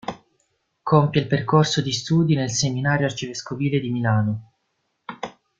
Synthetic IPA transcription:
kʰompjelperkorsod̪ist̪uːd̪inelseminaːɾjoart͡ʃiveskoviːled̪imilaːno

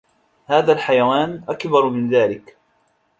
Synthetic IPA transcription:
haːðaːlħajawaːnʔakbɑɾˤmɪnðaːlɪk

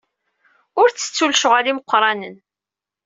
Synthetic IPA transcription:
ʊɾt͡sːə̥t͡sːulʃʊʁaliməqʷːɾˤɑnən

